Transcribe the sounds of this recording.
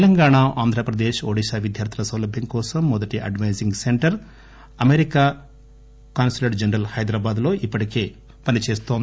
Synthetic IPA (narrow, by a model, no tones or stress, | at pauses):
t̪lɐŋɡaːɳaʔaːnd̪ʱɾɐpɾɐd̪eːʃoːɽiʃaːʋid̪jaːɾt̪ʰɐsɐwlɐbʱjɐŋkɔːsɐmːɔd̪ɐʈiʔɐ̰ɖʋɐjziŋɡseɳʈɐɾ | ɐmeɾikaː | kaːnsileʈd͡ʒɐnɾɐlhɐjd̪ɾaːbaːd̪lo̞ːʔipːɐʈike̞ː | pɐnit͡ʃeːst̪oːnd̪i